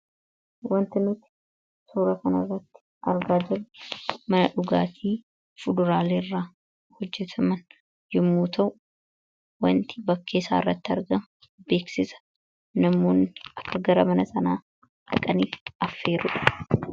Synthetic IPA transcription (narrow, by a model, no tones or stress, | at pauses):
wɐnt̪ɪmɪt̪ːɪ | suːɾɐkɐnɐrːɐt̪ːɪ̥ | ʔɐɾɡaːd͡ʒɪɾmɐnɐᶑʊɡaːt̪ʰiː | fʊd̪ʊɾaːleːrːaː | hɔd͡ʒːɛt̪ʰɐmɐn | jɪmːuːt̪ʰɐʔʊ | wɐnt̪ɪ̥bɐkʰːe̞ːsa̰ːɪrːɐt̪ːɪɐ̰ɾɡɐm | be̞ːksɪsɐ̥ | nɐmːoːnʔɐkːɐɡɐɾɐmɐnɐsɐnaː | ᶑɐ̰kʼɐniːfɐfːe̞ːɾʊ̰ᶑɐ̥